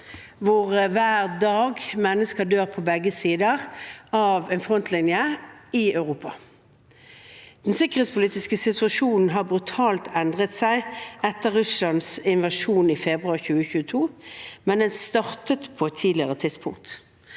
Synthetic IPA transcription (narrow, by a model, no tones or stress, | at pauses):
ʋʊʁʋæːʁd̪ɑːɡmɛnːəskəd̪øːʁpʰɔbɛɡːəsiːd̪əʁɑʋɛːnfʁɔnt̪ʰlɪnjəɪœʉʁuːpɑ | d̪̥nsɪkːəʁeːt̪spʰʊliːt̪ɪskəsɪt̪ʰʉɑʃuːnn̩ɦɑʁbʁʉt̪ʰɑːlt̪ʰɛnd̪ʁət̪sæɪʔɛt̪ːəʁʁʉslɑnsɪnʋɑʃuːnifɛbʁʉɑʁçʉːəçʉːət̪ʰuːmɛnd̪ɛnst̪ɑʁt̪ət̪pʰɔɛt̪ʰːiːd̪lɪəʁət̪ʰɪd̪spʰʊ̰ŋkt̪